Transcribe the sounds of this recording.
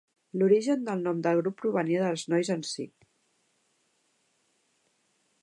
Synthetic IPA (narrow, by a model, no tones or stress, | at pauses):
luɾiʒənd̪əlˠnɔmd̪əlˠɣɾupːɾuβənieðəlˠznɔjzənsḭk